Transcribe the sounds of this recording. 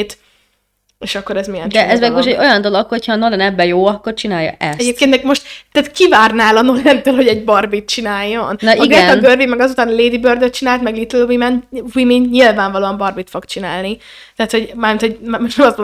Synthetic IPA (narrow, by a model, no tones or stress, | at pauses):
t̪ | eːʃɒkːo̞ɾɛzmijɛnd̪ɛʔʔɛzmɛɡoʃʃt̪ɛɟo̞jɒnd̪o̞lokho̞cʰhɒːnolɛnɛbːɛjoːɒkːo̞rt͡ʃinaːjɒ̰ʔɛsɛɟeːp̚kenmɛkmo̞ʃt̪t̪aːt̪kivaːrnaːlɒnolɛnt̪øːlho̞ɟɛɟbɒrbit̪̚t͡ʃinaːjːo̞nnʔiɡɛɛt̪ɛɡørvimɛɡɒzut̪aːnleːd̪ibørd̪øt̪̚t͡ʃinaːlt̪mɛɡlit̪ɛlwimɛnwiminɲilvaːɱvɒloːɒmbɒrbit̪fo̞ɡt͡ʃinaːlni | t̪ɛɦːt̪ho̞ɟmaːrmint̪ʰo̞ɟmmoʃnɛmɒst̪o